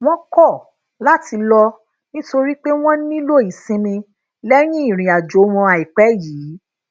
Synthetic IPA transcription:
w̃ɔ̃˦kɔ˦˨ | la˦ti˧lɔ˧ | nĩ˦to˧ɾi˦k͡pe˦w̃ɔ̃˦nĩ˦lo˦˨i˨sĩ˧mĩ˧ | lɛ˦ɾ̃ĩ˦i˦˨ɾ̃ĩ˨a˨d͡ʒo˨˦mɔ̃˧a˨i˨k͡pɛ˨˦jiː˨˦

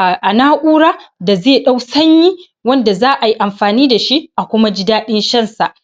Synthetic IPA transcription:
ʔa˨naː˦ʔʷuː˦ɽaː˦da˨zeː˦˨ɗa˦wsɐ˦ɲji˦ | wɐ˦nda˨zaː˦ʔa˨ji˦ʔa˨mɸaː˨niː˦da˨ʃi˦ʔa˨kʷʊ˦ma˦d͡ʒɪ˦daː˦ɗɪ˦nʃɐ˦˨nsa˨ʔ

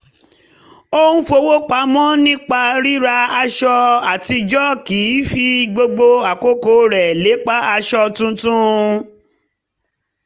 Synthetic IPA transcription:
o˦ñ̩˦fo˧wo˦k͡pa˨˦mɔ̃˦nĩ˦k͡pa˧ɾi˦ɾa˧a˧ʃɔ˧a˨ti˧d͡ʒɔ˦ki˨˦fi˧ɡ͡bo˧ɡ͡bo˧a˨ko˦ko˨˦ɾɛ˨le˨˦k͡pa˦a˧ʃɔ˧tũ˦tũ˦

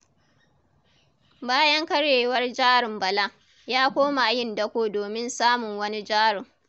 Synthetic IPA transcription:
baː˦jɐ˦ŋkɐ˦ɽeː˨wɐ˦rd͡ʒaː˦ɽɪ˨mbɐ˨la˦ | jaː˦kʷoː˦ma˨jɪ˦ndɐ˦kʷoː˦doː˨mɪ˦nsaː˦mʊ˨ŋwɐ˦ni˦d͡ʒaː˦ɽʊ˨ŋ

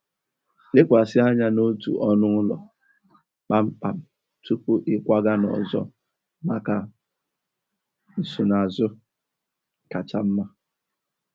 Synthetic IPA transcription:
lɪ˦kʷa˨sɪ˦a˦ɲa˦no˦tṵ˨ʔɔ˦nʊ˦lɔ̰˨ | k͡pa˦m̩˦k͡pa˨m˨ | tu˦pu˦ʔɪ˦kʷa˦ɡa˦nɔ̰˨zɔ̰˦ | ma˨ka˨ | n̩˨su˨na˨zʊ˦ | ka˨t͡ʃa˦m̩˦ma˦

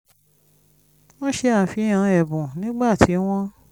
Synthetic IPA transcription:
w̃ɔ̃˦ʃe˧a˦˨fi˨˧˦j̃ã˨˧˦ɛ˨bũ˨nĩ˨˦ɡ͡ba˦˨tʰi˨˦w̃ɔ̃˦

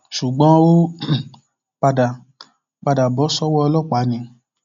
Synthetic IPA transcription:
ʃu˨ɡ͡bɔ̃˨˦wo˦ | k͡pa˧da˨ | k͡pa˧da˨bɔ˨˦sɔ˦wɔ˦˧lɔ˦˨k͡pa˨˦ɲĩ˨

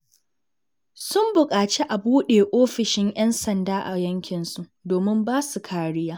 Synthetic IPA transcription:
sʊ˦mbʊ˨kʼaː˨t͡ʃe˦ʔa˨buː˦ɗeː˨ʔoː˦ɸɪ˨ʃɪ˦ŋʔjɐ˦nsɐ˨ndaː˦ʔa˨jɐ˦ŋkʲɪ˨nsu˦ʔdoː˨mɪ˦mbaː˦su˨kʰaː˨ɽɪ˦jaː˦

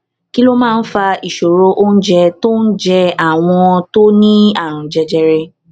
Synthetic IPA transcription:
ki˦lo˦mãː˦˧n̩˦fa˧i˨ʃo˨ɾo˧ʔo˦n̩˦d͡ʒɛ˧to˦n̩˦d͡ʒɛ˧a˦˨w̃ɔ̃˧to˦nĩ˦a˦˨ɾ̃ũ˨d͡ʒɛ˧d͡ʒɛ˧ɾɛ˧

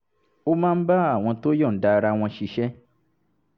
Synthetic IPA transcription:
o˦mãː˦n̩˦ba˦a˦˨w̃ɔ̃˧to˦jɔ̃˦˨n̩˦da˨˧ɾa˧w̃ɔ̃˧ʃi˧ʃɛ˦

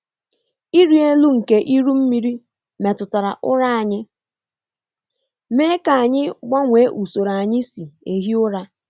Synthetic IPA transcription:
i˦ɾi˦e˦lu˦ŋ̩˨ke˦ʔi˦ɾu˦m̩˦mi˦ɾi˦ | me˨tʊ˨ta˨ɾa˨ʔʊ˦ɾa˦a˨ɲɪ˦ | meː˦ka˨a˨ɲɪ˦ɡ͡ba˦ŋʷe˨˦ʔu˨so˨ɾa˨ɲɪ˦si˨e˨ɦi˦ʊ˦ɾa˦

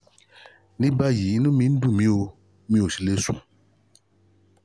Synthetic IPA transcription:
ni˦ba˦ji˨˦nũ˦mĩ˦n˦du˦˨mĩ˦o˨ | mĩ˦o˨si˦le˦sṵ̃˨

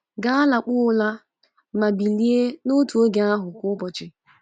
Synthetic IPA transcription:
ɡa˦a˦la˨k͡pʊː˦la˦ | ma˨bi˨li˦e˦no˦tu˨o˦ɡe˨a˦ɦʊ˨kʊ˦pɔ˨t͡ʃɪ˨

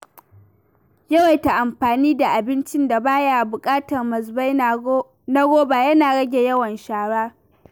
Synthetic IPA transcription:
jɐ˦wa˨jta˨ʔa˨mɸaː˨niː˦da˨ʔa˨bɪ˦nt͡ʃɪ˦nda˨baː˦ja˦˨bʊ˨kʼaː˦tɐ˨rmɐ˨sba˦j | na˦ɡʷoː˦baː˨jɐ˦naː˨ɽɐ˦ɡʲe˨jɐ˦wɐ˨nʃaː˨ɽaː˦

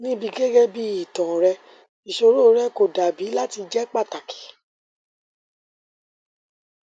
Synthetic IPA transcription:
nĩ˦bi˧ɡe˦ɡe˦bi˦i˨tã˨ɾɛ˧ | i˨ʃo˧ɾo˦˧˦ɾɛ˦ko˨da˨bi˨˦la˦ti˧d͡ʒɛ˦k͡pa˦˨ta˨kʰi̥˨˦

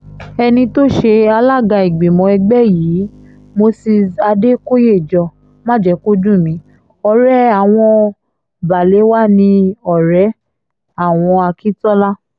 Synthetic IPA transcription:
ɛ˧nĩ˧to˦ʃe˧a˧la˦ɡa˧i˨ɡ͡be˨mɔ̃˨˧˦ɛ˧ɡ͡bɛ˦˨jiː˨˦ | mo˧si˧a˧de˦ko˦je˦˨d͡ʒɔ˧ | mã˦˨d͡ʒɛ˧˦ko˦d͡ʒũ˦˨mĩ˨˦ | ɔ˧ɾɛ˦a˨w̃ɔ̃˧ | ba˨le˨˦wa˦˨nĩ˧ɔ˦˨ɾɛ˨˦ | a˦˨w̃ɔ̃˧a˧ki˦tɔ˦la˦

